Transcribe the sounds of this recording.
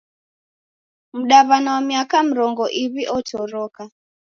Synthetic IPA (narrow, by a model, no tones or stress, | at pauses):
m̩ɗaβanawamiakam̩ɾɔŋɡɔʔiβiʔɔtʰɔɾɔka